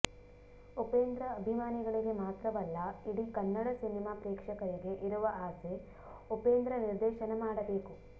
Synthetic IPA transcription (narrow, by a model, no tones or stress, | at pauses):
upeːnd̪ɾɐːbʱimaːniɡɐɭiɡe̞maːt̪ɾɐbɐlːɐiɽikɐnːɐɽɐsinimaːpɾeːkʂɐkɐɾiɡe̞ʔiɾuʋɐʔaːse | upeːnd̪ɾɐniɾd̪ɛːʃɐnɐmaːɽɐbe̞ːku